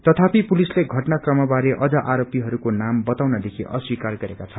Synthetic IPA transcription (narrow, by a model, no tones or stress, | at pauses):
t̪ʌt̪ʰapipulisleɡʱʌʈnakrʌmʌbaɾeʔʌd͡zaʔaɾopiɦʌɾukonambʌt̪awnʌd̪ekʰiʔʌswikarɡʌɾekat͡sʰʌ